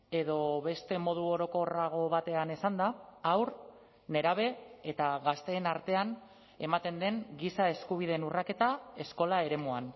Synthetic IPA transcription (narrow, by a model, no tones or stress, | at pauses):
e̞ðo̞βe̞st̪e̞mo̞ð̞uo̞ɾo̞ko̞raɣ̞o̞βat̪e̞anesand̪aːwɾ | ne̞ɾaβ̞e̞ːt̪aɣast̪e̞ːnaɾt̪e̞an | e̞mat̪e̞nd̪e̞ŋɡisae̞skuβ̞ið̞e̞nurake̞t̪ae̞sko̞lae̞ɾe̞muan